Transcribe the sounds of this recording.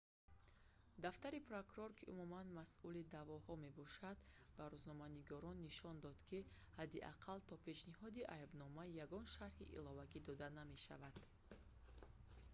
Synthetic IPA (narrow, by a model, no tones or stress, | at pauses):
d̪aft̪aɾipʰɾokuɾɔɾkʰiʔumumanmasʔulid̪avɔhɔme̞bɔʃad̪baɾuznɔmaniɡɔɾɔnːiʃɔnd̪ɔd̪kʰi | had̪iʔa̰qʰalt̪ʰɔpʰe̞ʃnihɔd̪iʔajbnɔmajaɡɔnʃaɾhḭʔḭlɔvaɡid̪ɔd̪aname̞ʃa̰vad̪̥